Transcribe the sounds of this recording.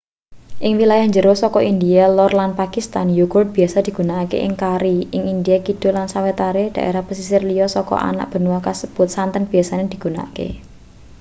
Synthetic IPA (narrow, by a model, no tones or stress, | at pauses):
ʔɪŋwilajahɲd͡ʒəɾosɔkɔʔind̪ialɔrlanpakist̪anjuɡɔrd̪̚b̥i̤asad̪̥i̤ɡ̥unakḛʔɪŋkaɾiɪŋind̪ijakid̥o̤lansawet̪aɾed̥aʔḛɾahpəsisɪrlijɔsɔkɔ̰ʔa̰na̰ʔ̚b̥ə̤nuwakasəb̥ʊt̪̚sant̪ənb̥i̤asaned̪̥i̤̥ɡ̥ṳna̰kḛ